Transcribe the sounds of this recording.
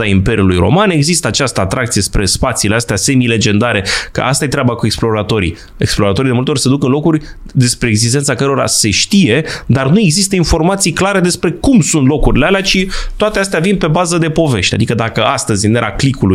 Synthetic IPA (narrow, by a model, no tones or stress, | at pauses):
aimpe̞ɾiulujɾo̰mane̞ɡzist̪əat͡ʃast̪əat̪ɾʔakt̪ije̞spɾe̞spat̪siːleast̪ease̞mile̞d͡ʒe̞nd̪aɾe̞kə̰ʔa̰st̪aje̞t̪ɾʲabakue̞ksplo̞ɾat̪o̞ɾḭ | e̞ksplo̞ɾat̪o̞ɾid̪emult̪eorʲse̞d̪ukɨnlo̞kurʲ | d̪e̞spɾe̞ːɡzis̬t̪e̞nt̪akəɾo̞ɾa̰se̞ʃt̪ije̞d̪arnue̞ɡzist̪əinfo̞rmat̪sijklaɾe̞d̪e̞spɾe̞kumsunt̪lo̞kuɾilealeat͡ʃit̪oat̪e̞ast̪eavinpe̞bazəd̪e̞po̞ve̞ʃt̪ʲa̰d̪ikəd̪akəast̪əzʲɨneɾaklikuluj